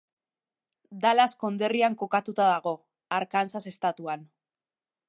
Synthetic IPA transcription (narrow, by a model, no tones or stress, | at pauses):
d̪alasko̞nd̪e̞riaŋko̞kat̪ut̪aðaɣ̞o̞ | aɾkansase̞st̪at̪uan